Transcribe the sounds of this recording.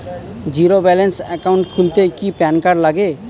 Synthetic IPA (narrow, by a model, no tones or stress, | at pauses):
d͡ʒiɾobɛlensɛkawɳʈkʰult̪ekipɛnkaɾlaɡe